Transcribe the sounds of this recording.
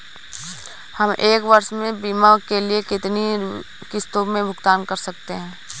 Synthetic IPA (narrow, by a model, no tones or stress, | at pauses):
hɐmʔeːkʋɐɾʃmẽbiːmakeliekɪt̪ni | kɪst̪omẽbʱʊɡt̪aːnkɐɾsɐk̚t̪eɦɛ̃ː